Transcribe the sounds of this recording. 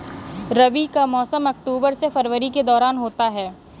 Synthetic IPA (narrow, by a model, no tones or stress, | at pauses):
ɾɐʋikamɔːsəmɐk̚ʈuːbəɾsefɐɾʋəɾiked̪ɔːɾaːnɦoːt̪aɦɛː